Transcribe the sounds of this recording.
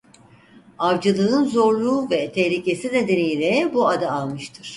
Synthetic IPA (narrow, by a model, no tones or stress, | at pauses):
aɾd͡ʒɯlˠɯɯnzo̞ɾlˠuːvɛt̪ʰɛhlʲicʰe̞sine̞d̪e̞nijlʲɛbuad̪aːlˠmɯʃt̪ʰɯɾ̥